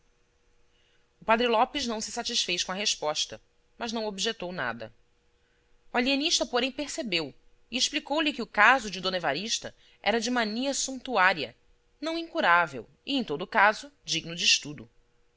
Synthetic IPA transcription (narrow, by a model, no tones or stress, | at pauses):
ʊpad̪ɾilɔpɪznɐ̃w̃sɪsat͡ʃisfejʃkõɐɦeʃpɔʃt̪ɐ | mɐʒnɐ̃w̃obiʒet̪owna̰d̪ɐ̰ | ualieniʃt̪ɐpoɾẽj̃peɾsebew | iɪʃplikowlɪkɪʊkazʊd͡ʒɪd̪õnevaɾiʃt̪ɐ | ʔɛ̰ɾɐd͡ʒɪmaniɐsũt̪uaɾiɐ̰ | nɐ̃w̃ĩŋkuɾavḛw | ɪẽj̃t̪od̪ʊkazʊd͡ʒiɡnʊd͡ʒɪːʃt̪ud̪ʊ